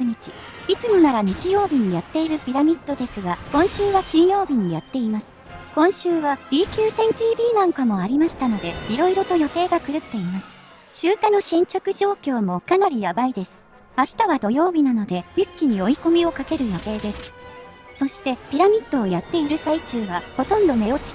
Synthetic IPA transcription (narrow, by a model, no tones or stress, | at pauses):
ɯɲ̟it͡ɕi | it͡sɨmo̞naɾaɲ̟it͡ɕijo̞ːbʲiɲ̟ijat̪ːe̞iɾɯ̟pʲiɾamʲit̪ːo̞d̪e̞sɨɡakõ̞ɰ̃ɕɨːβakʲĩɰ̃jo̞ːbʲiɲ̟ijat̪ːe̞imasɨ̥ | kõ̞ɰ̃ɕɨːβad̥̪ʲiːkʲɨːt̪ẽ̞nt̪ʲiːbʲiːnãŋkamo̞aɾʲimaɕi̥t̪ano̞d̪e̞iɾo̞iɾo̞t̪o̞jot̪e̞ːɡakɯ̟ɾɯ̟t̪ːe̞imasɨ̥ | ɕɨːkano̞ɕĩɲ̟t͡ɕokɯ̟ʑo̞ːkʲo̞ːmo̞kanaɾʲijabaid̪e̞sɨ̥ | aɕi̥t̪aβad̪o̞jo̞ːbʲinano̞d̪e̞jʲɯkʲːiɲ̟io̞iko̞mʲio̞kake̞ɾɯ̟jo̞t̪e̞ːd̪e̞sɨ̥ | so̞ɕi̥t̪e̞pʲiɾamʲit̪ːo̞ːjat̪ːe̞iɾɯ̟sait͡ɕɨːβaho̞t̪õ̞nd̪o̞me̞o̞t͡ɕi̥